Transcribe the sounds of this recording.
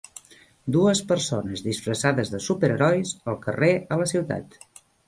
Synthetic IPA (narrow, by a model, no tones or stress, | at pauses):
d̪uəspəɾsonəzðisfɾəsaðəzðəsupəɾəɾɔjsəlˠkəreələsiwt̪a̰t̪